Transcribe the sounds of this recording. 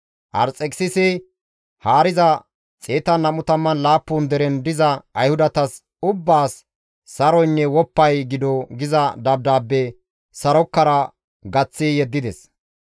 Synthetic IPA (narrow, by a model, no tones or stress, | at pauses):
ʔɐ̰ɾt͡sʼɛkʼsɪsɛ | haːɾɪzɐ | t͡sʼeːt̪ɐnɐmʊt̪ɐmːɐnlaːpːuːnd̪ɛɾɛnd̪ɪzɐɐjhʊd̪ɐt̪ɐs | ʊbːaːsː | ɐɾɔjnːɛwɔpːɐjɡɪd̪ɔɡɪzɐd̪ɐb̚d̪aːbːɛ | sɐɾɔkːɐɾɐ | ɡɐt͡sːijɛd̪ːɪd̪ɛs